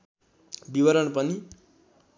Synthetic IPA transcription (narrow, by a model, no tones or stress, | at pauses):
bibʌɾʌnpʌni